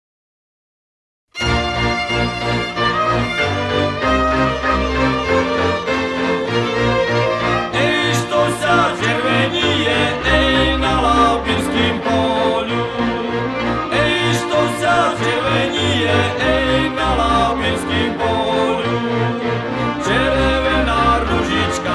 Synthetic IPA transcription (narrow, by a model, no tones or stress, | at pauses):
ɛʃt̪ozaʒɪvɛɲijɛɛjnalawbɪnskimpolu | ɛʃt̪osaʒɛɾvɛɲijɛʔɛjnalawbɪnskimpolu | t͡ʃɛɾɛvɛnaːɾuʒɪt͡ʃka